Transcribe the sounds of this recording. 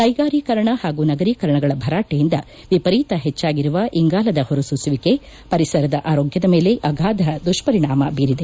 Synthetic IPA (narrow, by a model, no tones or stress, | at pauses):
kɐjɡaːɾiːkɐɾɐɳɐhaːɡuːnɐɡɐɾiːkɐɾɐɳɐɡɐɭɐbʱɐɾaːʈejind̪ɐ | ʋipɐɾiːt̪ɐɦɛt͡ʃːaːɡiɾuʋɐʔiŋɡaːlɐd̪ɐhoɾususʋike | pɐɾisɐɾɐd̪ɐʔaːɾoːɡjɐd̪ɐme̞ːle̞ʔɐɡʱaːd̪ʱɐd̪uʂpɐɾiɳaːmɐbiːɾid̪e